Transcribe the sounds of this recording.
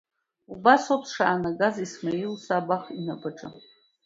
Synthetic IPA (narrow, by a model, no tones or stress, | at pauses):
ubasopʰʂa̰ːnaɡazismailsabaχinabaʈ͡ʂʼa